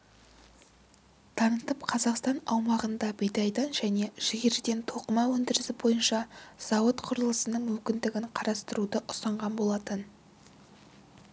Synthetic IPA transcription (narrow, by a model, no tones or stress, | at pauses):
t̪ʰɑnət̪əpqʰɑzɑqst̪ɑnɑwmɑʁənd̪ɑbʲejd̪ɑjd̪ɑnʒæne̞ʒ̥ɪɡʲeɾd̪e̞nt̪ʰo̞qəmɑwɵnd̪ɪɾɪsɪbo̞jənʃɑz̥ɑwət̪qʰʊɾəlˠəsənəɴmʏmkʲɪnd̪ɪɡʲɪɴqʰɑɾɑst̪əɾud̪əʔʊsɑɴʁɑnbo̞lˠɑt̪ən